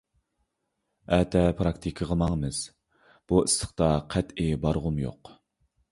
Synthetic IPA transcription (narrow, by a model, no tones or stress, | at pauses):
ɛt̪ʰɛpʰɾɑkt̪ʰikʲʰəʁəmɑŋmɨz̥ | b̥uislə̥χt̪ɑqʰæt̪ibɑɾʁʊmjo̰q